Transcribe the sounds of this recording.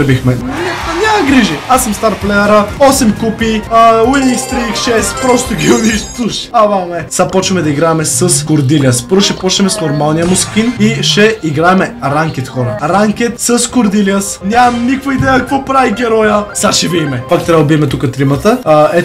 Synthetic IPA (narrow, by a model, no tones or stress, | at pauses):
bixmɛanʲamɐɡɾiʒiasːəmst̪aɾplɛəɾəɔsɛmkupiwinikst̪ɾikʃɛspɾɔst̪oɡʲiʊd̪iʃt̪uʃavamɛsɐpɔt͡ʃɐmɛd̪ɐiɡɾaɛmɛsəskʊɾd̪iliəspɤɾvʊʃɛpɔt͡ʃnɛmɛsnoɾmalˠnijəmoskʲiniʃɛiɡɾaɛmɛɾaŋkɛt̪xɔɾəɾaŋkɛt̪səskʊɾd̪iliəsnʲamɐmnikvəid̪ɛjəkɐkvɔpɾaviɡʲɛɾɔjəsaʃɛviimɛpakt̪ɾavˠbiɛmɛt̪ukət̪ɾimət̪əɛ